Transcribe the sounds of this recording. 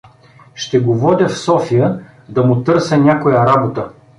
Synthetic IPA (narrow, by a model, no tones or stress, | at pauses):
ʃt̪ɛɡovɔd̪ʲəfsɔfijə | d̪ɐmʊt̪ɤɾsɛnʲakʊjɐɾabot̪ə